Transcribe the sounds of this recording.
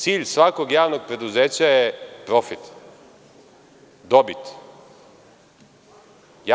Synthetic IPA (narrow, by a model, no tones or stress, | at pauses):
t̪siːʎsʋako̞ɡjaːʋno̞ɡ̚pɾe̞d̪uzeːt͡ɕajepɾo̞fit̪ | d̪o̞bit̪ | ja